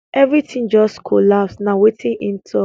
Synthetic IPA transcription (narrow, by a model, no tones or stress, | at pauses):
ʔɛvɹitʰĩŋd͡ʒɔskʰolapsnawetĩnʔĩntʰu